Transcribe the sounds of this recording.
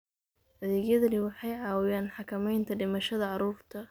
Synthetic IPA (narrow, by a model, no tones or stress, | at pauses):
ʔɐðɛːɡjɐðɐnɪwɑħɑjʕɑːwɪjaːnħɑkʰɐmɛjnt̪ʰɐɖɪmɐʃɐðɐʕɑɾuːrt̪ʰɐ